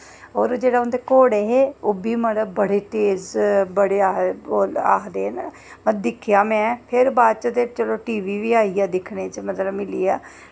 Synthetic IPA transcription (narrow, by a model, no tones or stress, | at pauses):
oːɾd͡ʒeːɽaːʊnd̪eːkoːɽeːɦeːoːbiːməd̪bəɽeːʈeːzbəɽeːaːola̰ːd̪eːn | məd̪ɪkʰːjaːmɛ̃ːpʰɪɾbaːd̪t͡ʃət̪et͡ʃəloːʈiːʋiːʋiːaːiːaːd̪ɪkʰneːt͡ʃmət̪ləbmɪliːaː